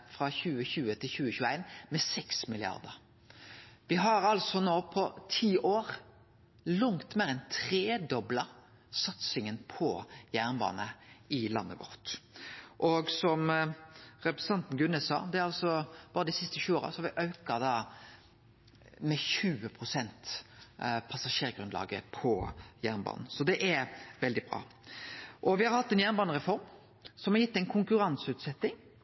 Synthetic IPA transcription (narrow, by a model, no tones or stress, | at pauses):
fɾɑçʉːəçʉːət̪ʰɪlçʉːəçʉːəæɪnmɛsɛksmɪlɪɑ̰ʁd̪əɾ | ʋɪɦɑɾɑlsɔnoːpʰɔt̪ʰiːʔoːɾ | lʊŋt̪meːɾɛnt̪ʰɾeːd̪ɔblə | sɑt̪sɪŋənpʰɔjæːʁnbɑ̰ːnəɪlɑ̰nːə̰ɡɔ̰ʁt̪ʔɔɡsɔm | ɾɛpɾɛsə̥ɑnt̪n̩ɡʉnːɛsɑ̰ːd̪ɛæɾɑlsɔb̥ɑːɾəd̪ɪsɪst̪əɕʉːoːɾə̰sɔhɑɾʋɪʔɑʉkɑd̪ɑː | mɛçʉːəpʰʁʊsɛnt̪ | pʰɑsɑʂeːʁɡɾʁʉnd̪lɑ̰ːɡə̰pʰɔjæʁnbɑ̰ːnn̩sɔd̪ɛʔæɾʋɛld̪ɪbʁɑ̰ː | ʔɔʋɪhɑɾhɑt̪ːɛnjæːʁnbɑːnəʁɛfɔɾm | sɔmhɑɾjɪt̪ːɛnkʰʊŋkʉɾɑnsʉːt̪sɛt̪ːɪŋ